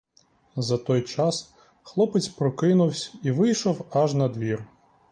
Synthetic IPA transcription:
zɐt̪ɔjt͡ʃɑs | xlˠɔpɪt͡sʲpɾɔkɪnʊwsʲiʋɪjʃɔwɐʒnɐd̪ʋʲir

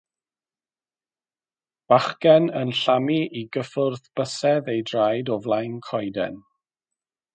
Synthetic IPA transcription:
b̥aχkɛnənɬamiʔiɡəfʊrðb̥əsɛðejdrajdɔvlˠajnkʰɔjdɛ̰n

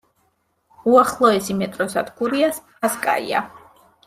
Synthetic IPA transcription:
uaχlˠɔɛsimɛt̪ʼɾɔsad̪ʰɡuɾiasʰ | askʼa̰ḭa̰

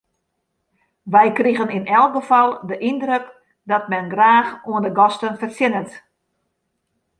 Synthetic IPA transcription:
ʋɛjkriɣənɪnɛlˠɡəfɔlˠdəʔindrøk | dɔt̚mɛnɡraːxuəndəɡɔstənfərsɪnət

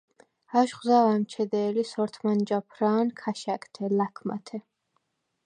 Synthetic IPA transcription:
aʃχzavamt͡ʃʰɛd̪ɛːlisɔɾt̪ʰmand͡ʒapʰɾaːnkʰaʃakt̪ʰɛlakʰma̰t̪ʰɛ

